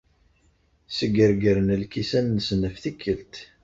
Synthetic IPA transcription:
səɡəɾɡəɾənəlkisænːəsənəfθikʰːəlt̪

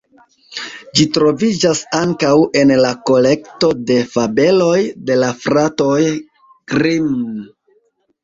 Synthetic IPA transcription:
d͡ʒitɾo̞vid͡ʒasaŋkawe̞nlako̞le̞kto̞de̞fabe̞lo̞jde̞lafɾato̞j | kɾim

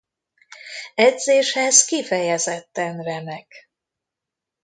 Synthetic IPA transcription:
ɛd̪zeːʃhɛzkifɛjɛzɛt̪ːɛnrɛnɛk

